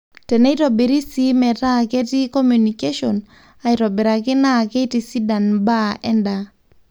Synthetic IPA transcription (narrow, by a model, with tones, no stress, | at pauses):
tɛ˨ne˦i˦ɾo˨be˨ɾi˦si˦mɛ˨ta˦˨ke˦ti˦ko˦mju˨ni˨ke˦ʃo˨n | a˨i˨ɾo˨be˨ɾa˨kɪ˦na˦˨ke˦ti˨si˦da˨nba˦ɛ˦nda˨